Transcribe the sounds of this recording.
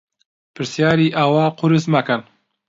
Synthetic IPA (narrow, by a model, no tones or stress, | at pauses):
pʰɨɾsjaːɾiːʔaːwaːqʊɾɨsmakan